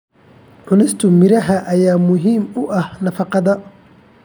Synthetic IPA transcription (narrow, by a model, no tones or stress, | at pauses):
ʕʊnɪst̪ʰʊmɪɾɐɦɐʔɐjaːmʊɦiːmʊʔɐhnɐfɑqɑðɐ